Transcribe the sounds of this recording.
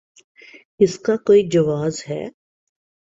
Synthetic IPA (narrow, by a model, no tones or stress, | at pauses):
ɪskakoːid͡ʒɐʋaːzɦɛ̰ː